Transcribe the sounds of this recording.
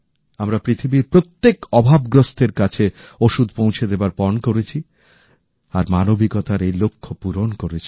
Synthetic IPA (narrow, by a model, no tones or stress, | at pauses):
amɾapɾit̪ʰibiɾpɾot̪ːekɔbʱabɡɾost̪eɾkat͡ɕʰeoʃud̪̚ʱpõwt͡ɕʰed̪ebaɾpɔnkoɾet͡ɕʰi | aɾmanobikɔt̪aɾejlokʰːopuɾonkoɾet͡ɕʰi